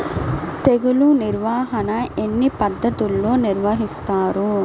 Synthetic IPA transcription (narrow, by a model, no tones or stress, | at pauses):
t̪eɡuluniɾʋaːɦɐnɐe̞nːipɐd̪ːɐt̪ulːo̞ːniɾʋɐɦist̪aːɾu